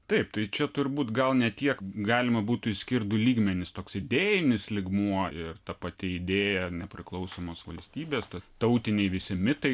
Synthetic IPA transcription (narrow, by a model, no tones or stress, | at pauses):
t̪ɐɪpt̪ɐɪt͡ʃʲɛt̪ʊɾʲbuːt̪ɡɐlˠnʲɛt̪ʲiɛkɡɑːlʲɪmɐbuːt̪ʊɪsʲkʲɪɾd̪ʊlʲiːɡmʲɛnʲɪst̪oːksɪd̪ʲeːjɪnʲɪslʲɪɡmuɔɪrt̪ɐpɐt̪ʲɪɪd̪ʲeːjɛnʲɛpʲɾʲɪklˠɐʊsoːmoːsʋɐlʲsʲt̪ʲiːbʲeːst̪ɐt̪ɐʊt̪ʲɪnʲɛɪʋʲɪsʲɪmʲɪt̪ɐɪ